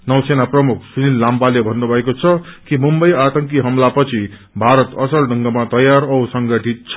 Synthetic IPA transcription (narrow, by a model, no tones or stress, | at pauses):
nʌwsenaprʌmuk̚ʰsunilːampalebʱʌnːubʱʌekot͡sʰʌkimumbʌjat̪ʌŋkiɦʌmlapʌt͡sʰi | bʱaɾʌt̪ʌsʌlɖʱʌŋɡʌmat̪ʌjaɾʌwsʌŋɡʌʈʰit̪̚t͡sʰʌ